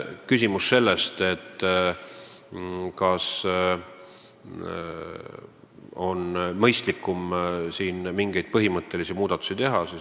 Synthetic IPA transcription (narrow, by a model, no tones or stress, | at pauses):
kysʲimusːe̞lːe̞st̪e̞t̪ː | kɑs | o̞nmɤjst̪likːˑumsiːnmiŋɡ̥e̞jd̪̥̚pɤɦimɤt̪ːˑe̞lisimuːd̪ɑt̪ːu̥sit̪e̞ɦɑsi